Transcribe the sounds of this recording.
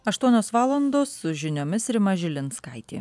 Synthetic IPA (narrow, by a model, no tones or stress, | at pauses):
ɐʃt̪uɔnʲoːsʋɑːlˠɐnd̪oːsːʊʒʲɪnʲoːmʲɪsɾʲɪmɐʒʲɪlʲɪnskɐɪt̪ʲḛː